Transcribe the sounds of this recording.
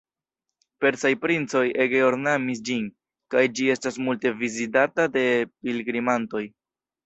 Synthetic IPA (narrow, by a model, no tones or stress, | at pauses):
pe̞ɾsajpɾint͡so̞je̞ɡeoɾnamis̬d͡ʒin | kajd͡ʒie̞stasmulte̞vizitatade̞pilɡɾimanto̞j